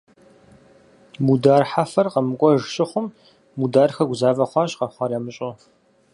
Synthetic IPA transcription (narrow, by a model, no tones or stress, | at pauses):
mudaːrħafɐrqɐmɨkʷʼɔʒɕʼɪχʷʊmː | udaːrxɐɡʷʊzaːvɐχʷɑːɕʼqɐχʷɑːrɐmɨɕʼʊ